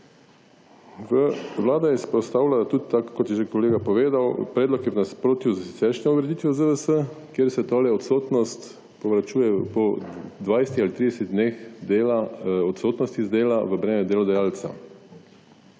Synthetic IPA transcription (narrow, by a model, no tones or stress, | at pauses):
ʋəʋlaːd̪ajɛspɾɔst̪aːwlʲalat̪ud̪̚t̪akːɔt̪jɛʒekɔleːɡapɔʋeːd̪awpɾɛːd̪lɔkjɛʋnaspɾoːt̪juzsit̪sɛʃnɛuɡɾɛd̪iːt̪ʋjɔzəʋəsəkjeɾsɛt̪oːlɛɔt̪soːt̪nɔst̪ | pɔʋɾat͡ʃuːjɛpɔd̪ʋaːjsɛ̥t̪ialit̪ɾid̪ɛsɛt̪d̪nexd̪elaɔt̪soːt̪nɔst̪izd̪eːlaʋəbɾɛːmɛd̪eːlɔd̪ajaːlt̪sa̰